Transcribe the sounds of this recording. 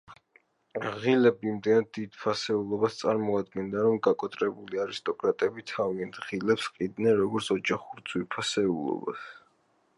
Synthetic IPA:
ʁilɛbiːmd̪ɛnad̪̚ːid̪̥pʰasɛulˠɔbast̪sʼaɾmɔad̪ɡɛnd̪aɾɔmɡakʼɔt̪ʼɾɛbuliaɾist̪ʼɔkʼɾat̪ʼɛbit̪ʰaviɛnd̪ʁilɛpsqʼid̪nɛnɾɔɡɔɾt̪sʰɔd͡ʒaχuɾd̪zwipʰasɛulˠɔ̰ba̰s

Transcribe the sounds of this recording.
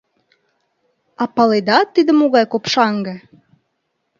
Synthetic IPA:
ɑpɑled̪ɑt̪ːid̪ə̆moɣɑjkopʃɑŋɡə̆

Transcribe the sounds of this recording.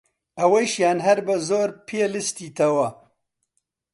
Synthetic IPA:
ɐweʃjaːnɦɐɾbɐzoːɾpʰeːlɨst̪iːt̪ʰɐwɐ

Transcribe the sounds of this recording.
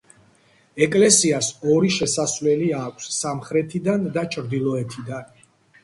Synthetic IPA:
ɛkʼlɛsiasɔɾiʃɛsasvlɛliakʷʰsːamχɾɛt̪ʰid̪and̪at͡ʃʰɾd̪ilˠɔɛt̪ʰid̪an

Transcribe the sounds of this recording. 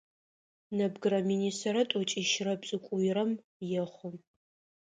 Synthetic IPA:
nɐbɡɨɾɐminiːstʰɐrɐtʼɔt͡ʃʼiʃrɐbt͡sʼɨkʷʼʊjɪɾɐm | jɛχʷʊm

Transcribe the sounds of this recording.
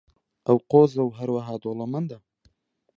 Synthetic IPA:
awqozawɦaɾwaɦɑd̪olamand̪a

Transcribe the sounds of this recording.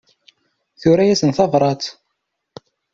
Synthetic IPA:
θʊɾæjæsənθɑvɾˤɑt̪

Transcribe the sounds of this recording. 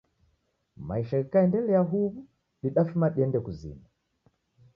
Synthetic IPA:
maiʃaikaɛndɛlɛaɦuβu | ɗiɗafumaɗiɛndɛkuzḭma

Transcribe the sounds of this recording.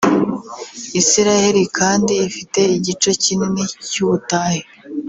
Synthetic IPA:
isiɾaheɾikʰaːndiːfite̞iɟit͡ʃo̞cininecuβutaːhe

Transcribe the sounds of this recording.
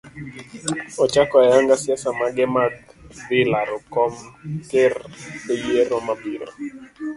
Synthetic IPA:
ɔt͡ʃakɔajaŋɡasjasamaɡɛmadbɪlaɾɔkɔmkɪrejeɾɔmabiɾɔ̰

